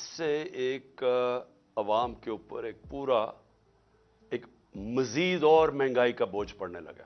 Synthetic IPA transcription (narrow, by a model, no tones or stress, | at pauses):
sːeeːk | ɐʋaːmkeʊpə̰ɾeːk̚puːɾa | eːk | mɐziːd̪ɔːɾmɛ̃ːŋɡaːikaboːd͡ʒpɐɽnelɐ̰ɡḛː